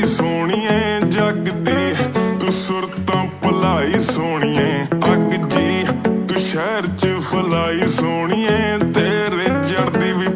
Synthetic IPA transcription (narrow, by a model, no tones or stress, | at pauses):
soːɽiːɛ̃ːd͡ʒəɡd̪iːt̪ʊːsʊɾt̪ãːpəlaːiːsoːɽ̃iːɛ̃əɡd͡ʒiːt̪ũʃɛːɾt͡ʃpʰəlaːiːsoːɳ̃iːɛ̃ːt̪eːɾeːd͡ʒəɽd̪iːʋɪː